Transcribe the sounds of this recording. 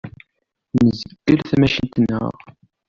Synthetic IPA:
nəzəəɡəlθæmæʃənt̪ənːə̰ʁ

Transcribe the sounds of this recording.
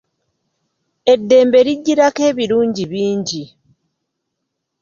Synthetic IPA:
e̞dːe̞ːmbe̞ɾiɟːiɾakeːβiɾuːɲɟiβiːɲɟi

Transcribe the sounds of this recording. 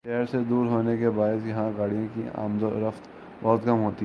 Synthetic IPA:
ʃɛːɾsed̪uːɾɦoːnekebaːɪsjɐɦãɡaːɽijõkia̰ːmd̪oɾəft̪ | bɔːt̪kɐmɦoːt̪i

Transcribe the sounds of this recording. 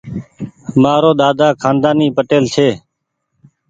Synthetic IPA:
maːɾoːɗ̪aːd̪aːkʰaːnd̪aːniːpəʈeːlt͡ʃʰeː

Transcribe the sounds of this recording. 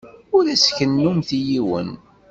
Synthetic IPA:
ʊɾæsçənːumθijiwə̰n

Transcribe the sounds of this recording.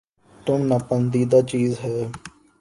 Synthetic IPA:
t̪ʊmnəpənd̪iːd̪aːt͡ʃiːzɦɛː

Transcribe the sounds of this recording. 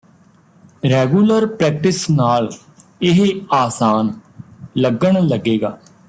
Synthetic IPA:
ɾɛːɡuːləɾpɾɛːk̚ʈɪsnaːl | ɪɦeaːsaːnləɡəɳləɡeːɡaː

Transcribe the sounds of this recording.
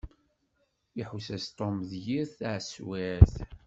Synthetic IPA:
iħusæst̪ˤomðjiɾθaʕswæɾθ

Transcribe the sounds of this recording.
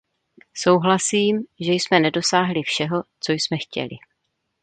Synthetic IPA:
so̞wɦlasiːmʒɛjsmɛnɛdo̞saːɦlɪfʃɛɦo̞t͡so̞jsmɛxcɛ̰lɪ̰

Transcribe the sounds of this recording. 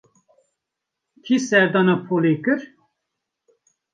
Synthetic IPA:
kʰisɛɾd̪ɑːnɑpʰoːlekɨɾ

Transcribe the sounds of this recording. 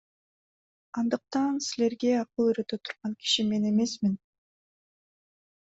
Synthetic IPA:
ɑnd̪ɯq̚t̪ɑnsile̞ɾɡe̞ɑqɯlˠyɾøt̪øt̪ʰu̥ɾʁɑŋki̥ʃime̞ne̞me̞smin

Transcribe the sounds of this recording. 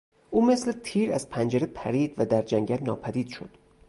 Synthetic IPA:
ʔuːme̞sle̞t̪ʰiːɾæzpʰænd͡ʒeɾepʰæɾiːd̪væd̪æɾd͡ʒæŋɟælnɒːpʰæd̪iːd̪̥ʃo̞d̪̥

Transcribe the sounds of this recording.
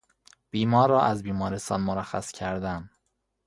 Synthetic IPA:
b̥iːmɒːɾɒːʔæzbiːmɒːɾest̪ɒ̰ːnmoɾæxæ̰scʰæɾd̪æn

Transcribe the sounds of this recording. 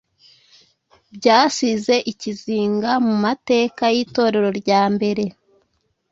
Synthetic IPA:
bɟaːsize̞ʔiciziːŋɡamumate̞ːkajiːto̞ːɾe̞ɾo̞ɾɟaːmbe̞ɾe̞

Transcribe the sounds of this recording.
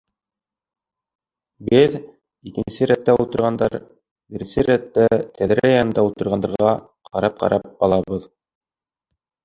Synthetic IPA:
bɘð | ikɘ̆nsɘɾæt̪ːæulˠt̪ɤ̆ɾʁɑnd̪ɑɾ | bɘɾɘ̆nsɘɾæt̪ːæt̪ʰæðɾɘjɑnɤ̆nd̪ɑulˠt̪ɤ̆ɾʁɑnd̪ɑɾʁʁɑ | qʰɑɾɑp̚qɑ̰ɾʔɑp̚ɑlˠɑβɤð

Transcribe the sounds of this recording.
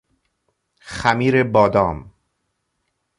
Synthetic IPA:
xæmiːɾebɒːd̪ɒːm

